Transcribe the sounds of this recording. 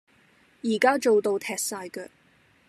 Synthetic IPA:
jiː˨˩kaː˥t͡ʃo˨wt̪o˧wt̪ʰɛː˨k̚saː˧jkɛ˧

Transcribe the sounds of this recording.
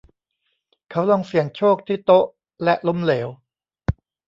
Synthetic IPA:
kʰa˦˥wlɔ˧ŋsi˨˩əŋt͡ɕʰoː˥˩k̚t̪ʰiː˥˩t̪o˦˥ʔ | lɛ˦˥ʔlo˦˥mleː˩˦w

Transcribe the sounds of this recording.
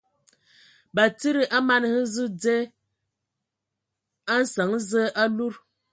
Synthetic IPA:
ba˨ti˦ɾi˨ʔa˦ma˦˨n˨hɨ˦zɨ˦d͡ze˦ | a˦n̩˦sa˨˦ŋ˦zə˦ʔa˦lu˦ɾ

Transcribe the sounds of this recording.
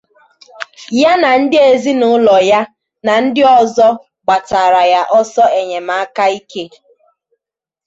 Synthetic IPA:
ja˦na˨n̩˦dɪ˦e˨zi˦nʊ˦lɔ˨ja˦ | na˨n̩˦dɪ˦ɔ˨zɔ˦ | ɡ͡ba˨ta˨ɾa˨ja˦ʔɔ˦sɔ˦e˨ɲe˨m̩a˦ka˦i˦ke˦

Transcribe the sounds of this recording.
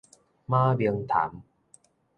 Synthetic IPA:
maː˥˩bi˧əŋt̪ʰa̰ː˩˦m

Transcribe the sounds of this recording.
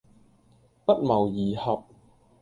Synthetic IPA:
pɐ˥t̚mɐ˨˩wjiː˨˩hɐ˨p̚

